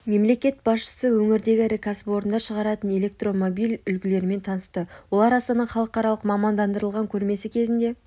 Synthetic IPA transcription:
me̞mle̞kʲe̞t̪̚bɑsʃə̥səwɵŋɪɾd̪e̞ɡʲɪɾɪkʰaspo̞ɾənd̪ɑʃəʁɑɾɑt̪əne̞le̞k̚t̪ro̞mo̞bijlʏlɡʲɪle̞ɾɪme̞nt̪ʰɑnəst̪əwo̞lˠɑɾɑst̪ɑnəɴχɑlˠəqɑɾɑlˠəqmɑmɑnd̪ɑnd̪əɾəlˠʁɑŋkʲʰɵɾme̞sɪkʲʰe̞zɪnd̪e̞

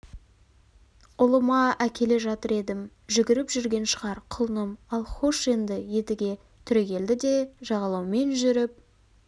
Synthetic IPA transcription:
ʊlˠəmɑækʲʰe̞le̞ʒɑt̪əɾe̞d̪ɪm | ʒʏɡʲɪɾɪpʒʏɾɡʲe̞nʃəʁɑɾqʰʊlˠnəmɑlˠχoʃe̞nd̪ɪje̞t̪ɪɡʲe̞ | t̪ʰʏɾe̞kʲe̞ld̪ɪd̪e̞ʒɑʁɑlˠɑwme̞nʒʏɾɪp̚

